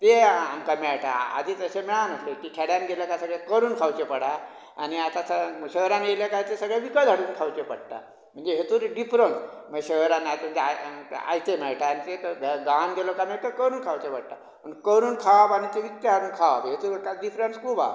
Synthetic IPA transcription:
t̪eamkəmiaʈa̰a̰d̪ʱiːt̪əsemiɭanəslekiːʈʰeɽjanɡeləkasəɡɭekəɾuːnkʰawt͡ɕepəɽa | a̰niat̪asəɕəɦɾanɡeljəkat̪esəɡɭeʋikəd̪ʱaɽuːnkʰawt͡ɕepəɽt̪a̰ | m̤əɳd͡zeɦet̪uːɾɖifɾəns | m̤əɕəɦɾanːat̪m̤ə̃nd͡zd͡ʑeaa̰jt̪emeɭʈaːñit̪et̪ɡaanɡelokamaʈ̪əkəɾuːnkʰawt͡ɕeʋəɽ̚t̪a̰ | pənkəɾuːnkʰaʋabañit̪eʋikt̪eaɾuːnkʰaʋabɦet̪uːɾkaɖifɾənskuba̰

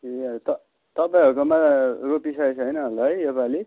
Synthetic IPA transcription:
et̪ʌ | t̪ʌpaj̃ɦʌɾkomaropisajsʰɦʌjnʌɦʌlʌɦʌjepali

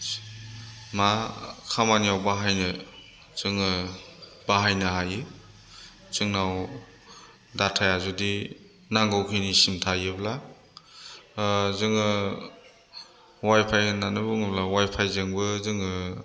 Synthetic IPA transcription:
makʰamanijawbaɦajnɯ | z̥ɯŋɯ | baɦajnɯɦajɯ | z̥ɯŋnaw | datʰajazudi | naŋɡɔwkʰɯjnisimtʰajɯbla | zɯŋɯ | wajpʰajnanɯbɯŋɯblawajpʰajzeŋbɯzɯŋɯ

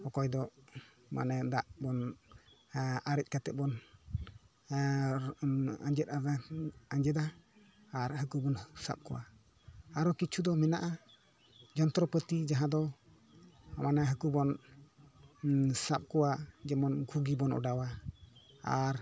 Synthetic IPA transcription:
hɔkɔjd̪ɔ | ma̰nɛd̪aʔbɔn | aɾɛc̪̚ˀkat̪ɛt̪̚bɔn | a̰ɲd͡ʒɛt̪̚adaaɲd͡ʒɛd̪aː | ɾɦəkubɔnsa̰p̚kɔwa | aɾɔkit͡ʃʰud̪ɔmɛnaʔa | d͡ʒɔnt̪ɾɔpət̪id͡ʒaɦãd̪ɔ | manaɦəkubɔn | sap̚kɔwad͡ʒɛmɔnɡʰʱuɡibɔnɔ̰ɖawa | aɾ

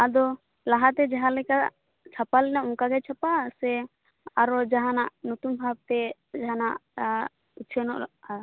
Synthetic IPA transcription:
ad̪ɔ | laɦat̪ɛd͡ʒaɦalɛka | t͡ʃʰapalɛnaʔɔ̃kaɡɛt͡ʃʰapasɛ | aɾɔd͡ʒaɦanaʔnut̪umbʱab̚t̪ɛd͡ʒaɦanaʔ | ut͡ʃʰɛnɔʔ

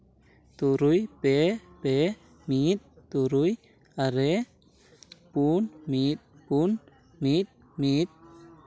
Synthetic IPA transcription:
t̪uɾujpepe | mit̪̚ːuɾuj | aɾe | punmit̪̚pun | mit̪̚ | mit̪̚

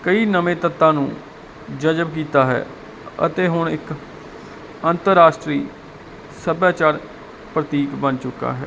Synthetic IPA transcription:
kəiːnəmẽːt̪ət̪ːãːnṵ̃ː | d͡ʒəd͡ʒəbk̬iːt̪aːɦɛ̰ː | ə̰t̪eːɦʊɳɪk | ənt̪əɾːaːʃʈɾiː | səbjaːt͡ʃaːɾ | pɾət̪iːkbənt͡ʃʊkːa̰ːɦɛ̰ː

